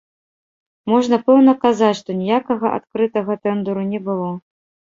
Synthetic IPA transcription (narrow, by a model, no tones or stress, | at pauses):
mɔʐnɐpɛwnɐkazat͡sʲʂt̪ɔnʲijakɐɣɐʔa̰t̪kɾɨt̪ɐɣɐt̪ɛnd̪uɾunʲɛbɨlˠɔ